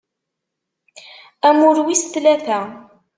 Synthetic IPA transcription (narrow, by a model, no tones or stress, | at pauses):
æmʊɾwist̪læθæ